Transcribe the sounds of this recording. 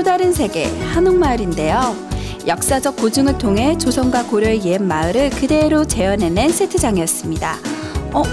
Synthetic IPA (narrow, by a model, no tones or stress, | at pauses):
odaɾɯns̬ʰe̞ɡe̞̰hanoŋmaɾinde̞jo | jʌk̚s͈ad͡ʑʌk͈ːod͡ʑɯŋɯɭtʰoŋɦe̞t͡ɕosʰʌŋɡwakoɾjoeeanmaɯɾɯɭkɯde̞ɾot͡ɕe̞ʌne̞nɯnsʰetʰɯd͡ʑaŋiʌs͈ɯmɲida̰ | ʌ